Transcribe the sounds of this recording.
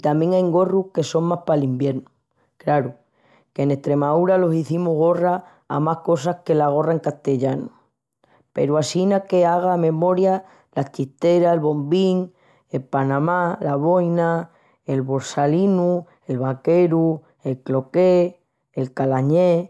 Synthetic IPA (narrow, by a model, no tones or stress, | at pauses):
it̪amjeŋajŋɡo̞ruhke̞so̞ŋmahpalimbje̞ɾnu | klaɾu | ke̞ne̞ht̪ɾe̞maðuɾalo̞siθimuɣ̞o̞ra | a̰mahko̞sahke̞laɣ̞o̞raeŋkast̪e̞ʎanu | pe̞̰ɾuasinake̞aɣ̞amẽ̞mo̞ɾja | lat͡ʃist̪e̞ɾaelβo̞mbiŋ | e̞lpanãmalaβo̞jna | e̞lβo̞ɾsalinu | e̞lβake̞ɾu | e̞lklo̞ke̞ː | lkalaɲe̞